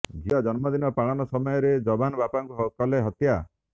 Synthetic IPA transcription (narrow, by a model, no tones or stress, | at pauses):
d͡ʒiɔd͡ʒɔnmɔd̪inɔpaɭɔnɔsɔmɔjɔɾed͡ʒɔbanɔbapaŋkuɦɔkɔleɦɔt̪ja